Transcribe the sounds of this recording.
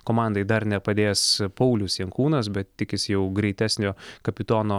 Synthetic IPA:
koːmɑˑnd̪ɐɪd̪ɐɾnʲɛpɐd̪ʲeːjspɐʊlʲʊsjɛŋkuːnɐs̬bʲɛt̪tʲɪkʲɪsʲjɛʊɡɾʲɛɪt̪ʲæːsʲnʲoːkɐpʲɪt̪oːnoː

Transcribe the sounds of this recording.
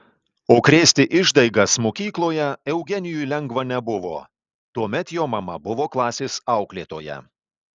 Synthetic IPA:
oːkɾʲeːsʲt̪ʲɪʔɪʒd̪ɐɪɡɐsmoːkʲiːklˠoːjɛɛʊɡʲɛnʲɪjujlʲɛŋɡʋɐnʲɛbʊʋo̰ː | t̪uɔmʲɛt̪joːmɐmɐbʊʋoːklˠɑːsʲeːsɑˑʊklʲeːt̪oːjɛ̰

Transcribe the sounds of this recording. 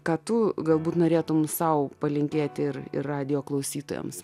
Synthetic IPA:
kɑːt̪ʊɡɐlˠbuːt̪noːɾʲeːt̪ʊmsɐʊpɐlʲɪŋʲkʲeːt̪ʲɪɾɪ̰rrɑːd̪ʲɪjoːklˠɐʊsʲiːt̪o̰ːjɛ̰ms

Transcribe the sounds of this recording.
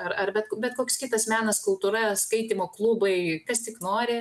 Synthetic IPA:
ɐɾɐrbʲɛt̪kbʲɛt̪koːkskʲɪt̪ɐsmʲæːnɐskʊlˠt̪uːɾɐskɐɪt̪ʲimoːklˠuːbɐɪkɐst̪ʲɪknoːɾʲɪ

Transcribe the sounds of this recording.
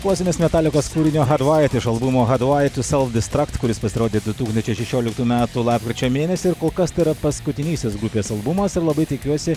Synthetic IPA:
kluːsʲɪnʲeːsmʲɛt̪ɑːlʲɪkoːskuːɾʲɪnʲoːɦɐd̪ʋɑjt̪ɪʃɐlˠbʊmoːɣɐd̪ʋɑjt̪ʲʊsʲɛlˠfd̪ʲɪst̪ɾɑkt̪kʊɾʲɪspɐsʲɪɾoːd̪ʲeːd̪ʊt̪uːksnt͡ʃʲɛɪʃʲɛʃʲoːlʲɪkt̪uːmʲæːt̪ulˠɑːp̚kɾʲɪt͡ʃʲoːmʲeːnʲɛsʲɪɪɾkoːlˠkɐst̪ɐɪɾɐpɐskʊt̪ʲɪnʲiːsʲɪsɡɾʊpʲeːsɐlˠbʊmɐsɪɾlˠɐbɐɪt̪ʲɪkʲuɔsʲɪ

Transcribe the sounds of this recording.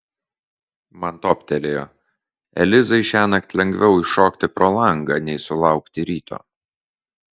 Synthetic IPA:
mɐnt̪ɔːpʲt̪ʲɛlʲejoː | ɛ̰lʲɪzɐɪʃʲæːnɐkt̪ʲlʲɛŋʲɡʲʋʲɛʊɪʃoːkt̪ʲɪpɾɔlˠɐˑŋɡɐnʲɛɪsʊlˠɑˑʊkt̪ʲɪɾʲiːt̪ʰo̰ː

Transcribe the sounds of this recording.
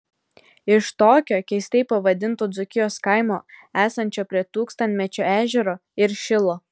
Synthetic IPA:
ɪʃt̪oːkʲoːkʲɛɪsʲt̪ʲɛɪpɐʋɐd̪ʲɪnˑt̪oːd̪zʊkʲɪjoːskɐɪmo̰ːæːsɐnʲt͡ʃʲoːpʲɾʲiɛt̪uːkst̪ɐnʲt̪ʲmʲɛt͡ʃʲoæːʒʲɛɾoːɪɾʃʲɪlˠoː

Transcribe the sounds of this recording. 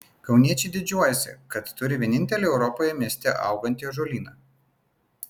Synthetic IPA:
kɒʊnʲiɛt͡ʃʲɛɪd̪ʲɪd͡ʒʲuɔjɛsʲɪ̰kɐt̪ːʊɾʲɪʋʲiɛnʲɪnʲt̪ʲɛlʲeɛʊɾɔpoːjɛmʲiɛsʲt̪ʲɛʔɐ̰ˑʊɡɐnʲt̪ʲiɛʒoːlʲiːnɐː

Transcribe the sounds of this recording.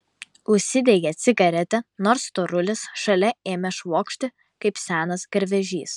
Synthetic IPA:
ʊʃʲsʲɪd̪ʲeːɡʲɛt̪sʲɪɡɐɾʲɛt̪ʲɛnoːɾst̪oɾʊlʲɪsʃɐlʲɛeːmʲɛʃʋoːkʃʲt̪ʲɪ | kɐɪpsʲæːnɐsɡɐɾʲʋʲɛʒʲiːs

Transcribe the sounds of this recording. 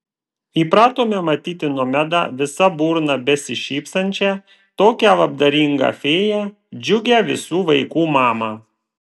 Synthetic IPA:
iːpɾɑːt̪oːmʲemɐt̪ʲiːt̪ʲɪnuɔmʲæd̪ɑ̰ːʋʲɪsɐbuːɾnɐbʲɛsʲɪʃʲiːpst̪ɐnʲt͡ʃʲɛ | t̪oːkʲɛʋɐb̚d̪ɐɾʲiŋɡɑ̰ːfʲeːjæ | d͡ʒʲʊɡʲɛʋʲɪ̰suːʋɐɪkuːmɑːmɑː

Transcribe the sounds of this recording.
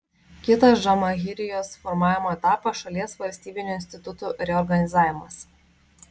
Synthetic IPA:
kʲɪt̪ɐsʒɐmɐɣʲɪɾʲɪjoːsfɔɾmɑːʋʲɪmoːɛt̪ɑːpɐʃɐlʲiɛsʋɐlʲsʲt̪ʲiːbʲɪnʲuɪnʲsʲt̪ʲɪt̪ʊt̪uːɾʲɛɔɾɡɐnʲɪzaːʋʲɪmɐs

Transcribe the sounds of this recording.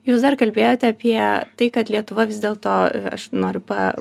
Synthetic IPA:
juːsd̪ɐrkɐlʲbʲeːjoːt̪ʲɛɐpʲiɛt̪ɐɪkɐt̪lʲiɛt̪ʊʋɐʋʲɪzd̪ʲeːlˠt̪oːɐ̰ʃnoːɾʲʊpɐ

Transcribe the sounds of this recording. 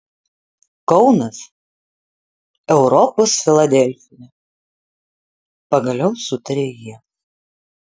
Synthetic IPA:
kɒʊnɐs | ɛʊɾɔpoːsfʲɪlˠɐd̪ʲɛlʲfʲɪnʲɛ | pɐɡɐlʲɛʊsʊt̪ɐɾʲeːjiɛ

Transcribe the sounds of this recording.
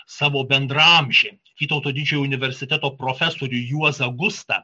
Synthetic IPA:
sɑːʋoːbʲɛnd̪ɾɐmʲʒʲeː | ʋʲiːt̪ɐʊt̪oːd̪ʲɪd͡ʒʲɛjoʊnʲɪʋʲɛɾʲsʲɪt̪ʲæt̪oːpɾoːfʲɛsoːɾʲʊjuɔzɐɡʊst̪ɐ̰

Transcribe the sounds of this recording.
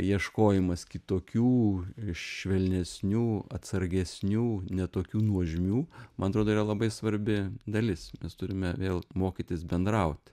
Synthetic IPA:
jiɛʃkoːjɪmɐskʲɪt̪oːkʲuːʃʃʲʋʲɛlʲnʲɛsʲnʲuːɐ̰t̪sɐɾʲɡʲɛsʲnʲuːnʲɛt̪oːkʲuːnuɔʒʲɪmʲuːmɐnɐt̪ɾoːd̪oːirɐlˠɐbɐɪsʋɐɾʲbʲɪd̪ɐlʲɪsmʲɛst̪ʊɾʲɪmʲɛʋʲeːlˠmoːkʲit̪ʲɪsbʲɛnd̪ɾɐʊt̪ʲ

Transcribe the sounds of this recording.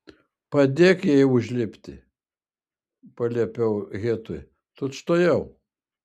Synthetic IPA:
pɐd̪ʲeːkjɛɪʊʒʲlʲɪpʲt̪ʲɪ | pɐlʲiɛpʲɛʊɣʲeːt̪ʊj | t̪ʊt̪ʃt̪oːjɛʊ

